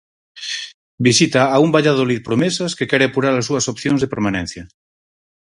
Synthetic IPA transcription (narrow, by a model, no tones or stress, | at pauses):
bisit̪aːumbaʎað̞olið̚pɾomesaskekɛɾeapuɾaɾasːuɐsopθjonzðepeɾmanɛ̃n̟θja